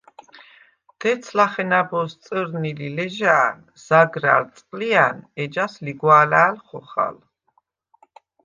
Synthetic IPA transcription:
d̪̥ɛt̪sʰlaχɛnabɔst̪sʼəɾnililɛʒaːn | z̥aɡɾa̰lt̪sʼqʼlianɛd͡ʒasliɡwaːlaːlχɔχa̰l

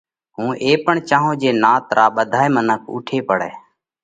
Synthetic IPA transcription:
ɦũːʔeːpəɳt͡ʃãːɦõːd͡ʒeːnaːt̪ɾʔaːɓəd̪ʱaːeːmənəkʰʊ̰ːʈʰeːpəɽɛː

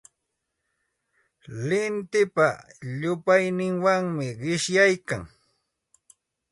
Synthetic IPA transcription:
lɪnt̪ɪpaʎʊpajnɪŋwaŋmɪɢɪʃjajka̰ŋ

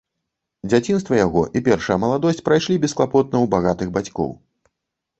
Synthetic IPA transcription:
d͡zʲat͡sʲin̪st̪vɐjaɣɔ̰ʔipʲɛrʂɐjɐmɐlˠad̪ɔsʲt͡sʲpɾajʂlʲibʲɛsklˠapɔt̪̚nɐwbaɣat̪ɨɣbat͡sʲkɔ̰w

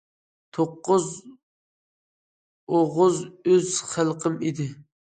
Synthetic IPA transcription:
t̪ʰoqːʊz | oʁʊzøzχəlˠqʰəmid̪ɪ

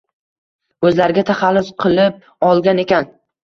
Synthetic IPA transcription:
ɵzlaɾɪɡʲat̪ʰaχalːʊsqʰɨlˠɪp̚ | ɒlˠɡʲane̞kʲʰan

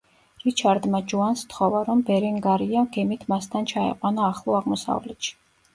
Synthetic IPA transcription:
ɾit͡ʃʰaɾd̪mad͡ʒuanst̪χɔvaɾɔmbɛɾinɡaɾiaɡɛmit̪ʰmast̪ʰant͡ʃʰaɛ̰qʼwanaːχlˠɔaʁmɔsa̰vlɛt̪ʃi̥

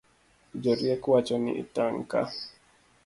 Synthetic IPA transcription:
d͡ʒɔɾiɛkwat͡ʃɔnḭʔḭtaŋka̰

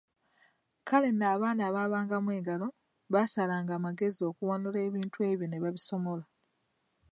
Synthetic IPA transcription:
kale̞naːβaːnaːβaːβaːŋɡamwe̞ːɡalo̞ | βasalaːŋɡaːmaɡe̞zio̞kuwonule̞ːβiːntwe̞ːβjo̞ne̞βaβiso̞mo̞la

